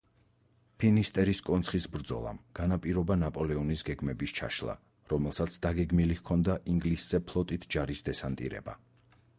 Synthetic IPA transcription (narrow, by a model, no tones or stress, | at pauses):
pʰinist̪ʼɛɾiskʼɔnt̪sʰχisbɾd̪zɔ̰lˠa̰mɡ̥anapʼiɾɔbanapʼɔlɛɔnisɡɛɡmɛbist͡ʃʰa̰ʃlˠa̰ | ɾɔmɛlˠsat̪sʰd̪aɡɛɡmilikʰɔnd̪aʔiŋɡlisz̥ɛpʰlˠɔt̪ʼit̪ʰd͡ʒaɾisd̪ɛsant̪ʼḭɾɛ̰ba̰